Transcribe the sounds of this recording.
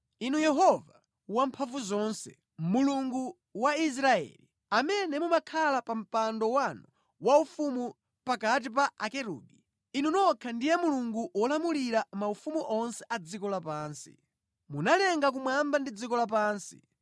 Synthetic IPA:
inujɛɦɔva | wampʰaɱvuzɔːnsɛ | muluŋɡu | wais̬ɾaɛ̰ːli | amɛnɛmumakʰalapam̩pandɔwanu | waufumu | pakat̬ip̬aʔakɛɾṵːdi | inunɔkʰandijɛmuluŋɡuwɔlamuliɾamaufumuʔɔnsɛʔad͡zikɔlapaːnsḭ | munalɛŋɡak̬umwambandid͡zikɔlap̬aːnsi̥̰

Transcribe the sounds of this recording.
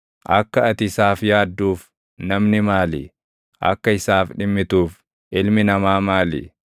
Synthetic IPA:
ʔɐkːɐɐt̪ɪsaːfjaːd̪ːuːf | nɐmnɪmaːlɪ̰ | ʔɐ̰kːɐɪsaːfᶑɪmːɪt̪uːf | ʔɪlmɪnɐmaːmaːlɪ̰

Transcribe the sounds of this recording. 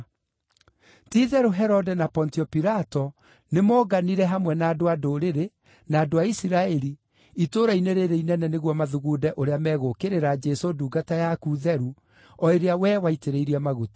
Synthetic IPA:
tiðɛɾuɦɛɾɔdɛnapɔntiɔpiɾatɔ | nemɔːɡaniɾɛɦamwɛnaːdoadoɾeɾe | naːdoaisiɾaɛɾi | itoːɾaineɾeɾeinɛnɛneɣwɔmaðuɣudɛʔoɾeamɛɣokeɾeɾad͡ʒɛsoduːɡatajakuðɛɾu | ɔeɾeawɛwaiteɾeiɾiamaɣotḁ

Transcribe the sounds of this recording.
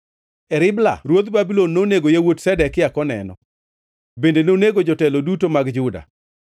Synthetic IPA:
ɛɾɪbla̰ɾwot̪babilonːoneɡojewotsɛdɛkɪjakɔnɛ̰nɔ̰ | bendenoneɡod͡ʒɔtɛlodutomaɡd͡ʒʊda̰

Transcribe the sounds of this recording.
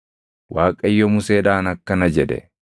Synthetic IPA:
waːkʼɐɪjːɔmʊseːᶑaːnɐkːɐnɐd͡ʒɛᶑɛ̰

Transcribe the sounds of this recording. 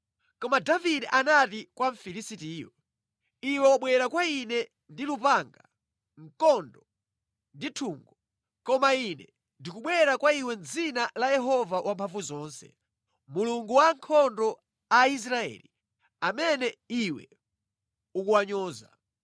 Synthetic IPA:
kɔmadavidɛʔanatikwaɱfilisitiːjɔ | iwɛwaɓwɛɾakwainɛ | ndilupaŋɡa | ŋ̩kɔndɔ | nditʰuːŋɡɔ | kɔmainɛ | ndikuɓwɛɾakwaiwɛnd͡zinalajɛɦɔvawʔampʰaɱvuzɔːnsɛ̰ | muluŋɡuwaŋkʰɔndɔ | ais̬ɾaɛ̰ːli | amɛnɛiwɛ̰ | ukuwaɲɔːza̰

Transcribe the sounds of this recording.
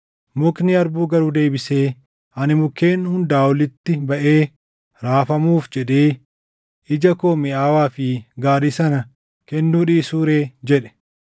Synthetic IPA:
mʊknɪɐɾbuːɡɐɾuːd̪e̞ːbɪse̞ː | ʔɐnɪmʊkːe̞ːnːhʊnd̪aːwɔlɪt̪ːɪbɐʔeː | ɾaːfɐmuːfd͡ʒɛɗeː | ʔɪd͡ʒɐkoːmɛaːwaːfɪɡaːɾisɐnɐ | kɛnːuːᶑiːsuːɾe̞ːd͡ʒɛᶑɛ̥

